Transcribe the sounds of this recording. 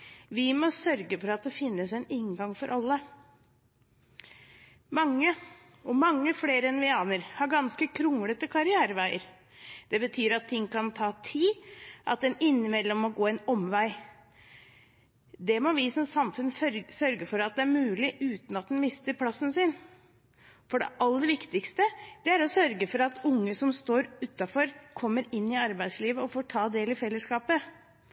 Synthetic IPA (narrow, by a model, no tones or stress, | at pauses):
ʋɪmɔsœɾɡəfɔɾɑt̪̚d̪ɛfɪnːəsɛnɪŋɡɑŋfɔɾʔɑlːə | mɑŋːə | ɔmɑŋːəfleːɾəɛnʋɪɑːnəɾhɑɾɡɑnskəkʰɾʊŋlət̪əkʰɑɾɪæːɾəʋæɪəɾ | d̪̥ɛbət̪ʰyːɾɑt̪ʰːɪŋːkʰɑnt̪ʰɑːt̪ʰiːʔɑ̰t̪̚d̪ɛnɪnːɪmɛlːɔmːɔɡoːɛnɔmʋæɪ | d̪ɛmɔʋɪsɔmsɑmfʉnsœɾɡəfɔɾɑt̪̚d̪ɛæɾmʉːlɪʔʉːt̪nɑt̪̚d̪ɛnmɪst̪əɾpʰlɑsːn̩sɪn | fɔɖɛ̰ʔɑlːəd̪əʋɪkt̪ɪkst̪əd̪̥ɛæɾɔsœɾɡəfɔɾɑt̪ʰʊŋːəsɔmst̪oːɾʉːt̪ːɑfɔɾkʰɔmːəɾɪnːɪɑɾbæɪd̪sliːʋəɔfoːʈʰɑːd̪eːlɪfɛlːəskɑːpə